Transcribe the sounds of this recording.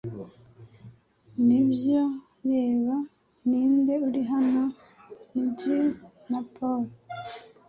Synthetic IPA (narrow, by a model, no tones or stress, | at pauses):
nibjo | jeːβa | niːnde̞uɾiɦano | niɟi | napʰoɾ